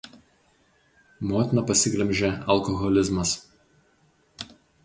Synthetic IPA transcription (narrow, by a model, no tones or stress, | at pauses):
moːt̪ʲɪnɐpɐsʲɪɡlʲɛmʲʒʲɛɐlˠkɔɣɔlʲɪzmɐs